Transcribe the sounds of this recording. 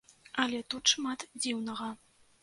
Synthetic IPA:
ɐlʲɛt̪ut̪ʂmat̪d͡zʲiwnɐɣɐ

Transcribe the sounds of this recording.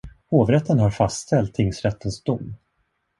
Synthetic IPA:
hoːvɾɛt̪ːənhaɾfast̪st̪ʰɛlt̪ʰːɪŋsɾɛt̪ʰːənsd̪ʊmː

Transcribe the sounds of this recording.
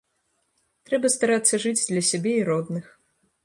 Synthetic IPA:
t̪ɾɛbɐst̪aɾat̪sːɐʐɨd͡zʲd̪lʲɐsʲabʲɛiɾɔd̪nɨx

